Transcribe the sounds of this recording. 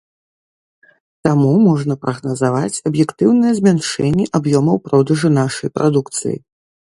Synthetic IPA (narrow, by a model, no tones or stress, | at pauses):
t̪amumɔʐnɐpɾɐɣnɐzavat͡sʲɐbjɛkt̪ɨwnɨjɐzʲmʲanʂɛnʲːɛʔabjɔmɐwpɾɔd̪ɐʐɨnaʂɐjpɾʔa̰d̪ukt̪sɨ̰jḭ